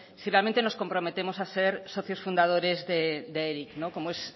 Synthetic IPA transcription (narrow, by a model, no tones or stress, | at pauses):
sirealmẽnt̪eno̞skompɾo̞met̪emosaseɾsoθjosfund̪að̞oɾezðed̪eeɾiknoko̞moes